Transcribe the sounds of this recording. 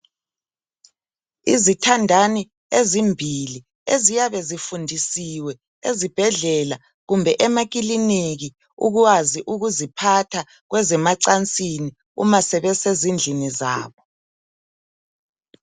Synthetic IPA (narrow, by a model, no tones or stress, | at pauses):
izitʰandʱani | ezimbʱili | ezijaβɛzifundʱisiwɛ | ezib̥ʱɛɮɛla | ɣumbʱɛʔɛmak̬ilinik̬i | ṵɣ̬uwaziʔuɣuzipʰatʰa | ɣ̬wʔɛzɛmaǀant͡sʼini | ṵmasɛɓɛsezind͡ɮʱiniza̰ːβɔ